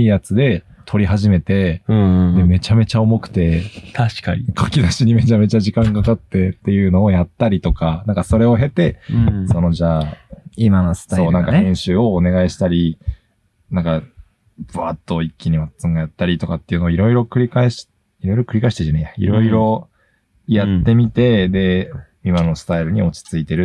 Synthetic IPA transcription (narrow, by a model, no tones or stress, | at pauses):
iːjat͡sɨd̪e̞ | t̪ʰo̞ɾʲiɦaʑime̞t̪e̞d̪e̞me̞t͡ɕame̞t͡ɕao̞mo̞kɯ̟̥t̪e̞t̪ʰaɕi̥kaɲikʰakʲid̪aɕiɲ̟ime̞t͡ɕame̞t͡ɕaʑikãŋkakat̪ːe̞t̪ːe̞jɯ̟ːno̞ːjat̪ːaɾʲit̪o̞kanãŋkaso̞ɾe̞o̞ɦe̞t̪e̞so̞no̞ʑaːimanasaoːnãŋkaẽɰ̃ɕɨːo̞ːne̞ɡaiɕi̥t̪aɾʲi | nãŋka | bɯat̪ːo̞ikʲːiɲ̟imat͡sɨŋɡajat̪ːaɾʲit̪o̞kat̪ːeiɯ̟noːiɾo̞iɾo̞kɯ̟ɾʲikaeɕi̥ | iɾo̞iɾo̞kɯ̟ɾʲikaeɕit̪eʑanejaḭɾo̞iɾo̞ | jat̪ːe̞mʲit̪e̞d̪e̞ | imano̞sɨ̥t̪aiɾɯ̟ɲ̟io̞t͡ɕi̥t͡sɨit̪e̞ɾɯ̟